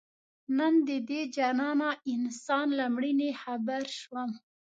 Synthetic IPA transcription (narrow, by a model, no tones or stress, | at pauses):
nənd̪əd̪ed͡ʒanɑnaɪnsɑnlamɽinexabaɾʃwəm